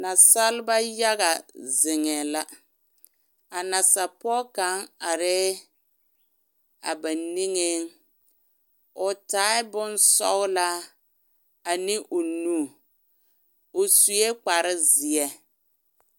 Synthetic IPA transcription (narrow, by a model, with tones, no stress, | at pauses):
na˨sa˦lba˦ja˦ɣa˨zɪ˨ŋɛ˨la˦ | a˨na˨sa˨pɔ˦ka˨˦ŋa˨ɾɪ˦ | a̰˨ba˨ni˦ŋe˦ŋ | ʊ˨taː˨˦ɪ˦bʊ˦nsɔ̰˦ɣla˦ | a˨nɪ˦ʔʊ˨nuː˦˨ | ʊ˨su˨˦e˦k͡pa˨ɾɪ˦zi˨ɛ˦